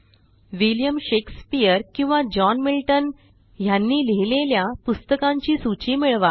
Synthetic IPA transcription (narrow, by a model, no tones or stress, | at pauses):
ʋiljəmɕekspijəɾkĩw̃ʋad͡ʑɔnmilʈən | janːiːleɦileljapust̪əkãɲt͡ɕiːsut͡ɕiːmiɭʋa